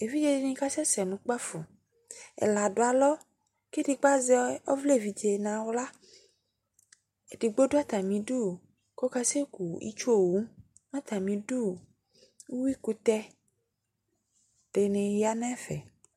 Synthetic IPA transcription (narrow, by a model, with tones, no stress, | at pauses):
e˨vi˦d͡ʒe˦di˦nĩ˦ka˦sɛ˦sɛ˨nũ˨k͡pa˦fo˨ | ḛ˨la˨do˨a˨lɔ˦ | ke˦di˨k͡pa˦ze˦ɔ˦vle˦˨vi˨d͡ʒe˨nã˨wla˦ | e˨di˨ɡ͡bo˦do˦a˦t̪a˨mĩ˨ɖu˦ | ko˦ka˦se˦ku˨ḭ˦t͡ʃo˦˨wu˦ | nã˦t̪a˨mĩ˨du˦ | u˦wi˦ku˦t̪ɛ˦ | ɖ̥e˨nẽ˨ja˦nɛ̃˦fɛ̰˨